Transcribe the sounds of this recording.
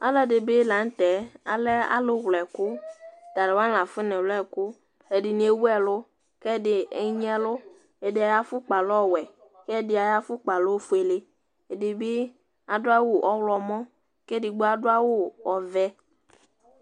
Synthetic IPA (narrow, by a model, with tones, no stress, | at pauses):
a̰˦lɛ˦dɪ˨bɪ˦la˨n̩˦t̪ɛ˨˦a̰˨lɛ˦a̰˦lʊ˦ɣlɛ˨kʊ˦˨t̪a˨ɾɪ˨wã˦nla˨fɪ˦nɪ̃˨wlɛ˦kʊ˦ | ɛ˨dɪ˨nɪ˦e˦wu˦ɛ˨lʊ˦ | kɛ˦˨dɪ˨ɛ˦ɲ˦ɛ˦lʊ˦ | ɛ˨dɪ˨a˨ja˦fʊ˦k͡pa˨lɔ˦wɛ˨ | kɛ˦˨dɪ˦a˨ja˦fʊ˦k͡pa˨lʊ˦fʊ˦e˨lɪ˦ | e˨dɪ˨bɪ˦ | a˨dʊ˦a˦wʊ˦ʔɔ˦wlɔ˨mɔ̃˦ | kɛ˦dɪ˨ɡ͡bʊ˦a˦dʊ˦a˦wʊ˦ɔ˨vɛ˦